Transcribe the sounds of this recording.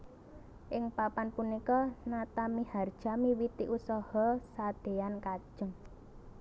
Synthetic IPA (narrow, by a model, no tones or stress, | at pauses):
ʔɪŋpapanpunikɔnat̪amihard̥ʒ̥amiwit̪iʔusɔhɔsad̪̥e̤ankad̥ʒ̥əŋ